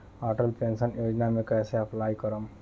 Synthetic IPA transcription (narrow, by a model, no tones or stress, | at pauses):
aʈəlpensənjoːd͡ʒnamẽkɛːseɐplajkəɾəm